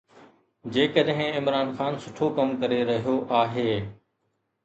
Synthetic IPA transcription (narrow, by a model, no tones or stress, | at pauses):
d͡ʑeːkəɗɦɪ̃ɪmɾaːnxaːnsʊʈʰokɐmkɐɾeɾɐɦijoʔaːɦeː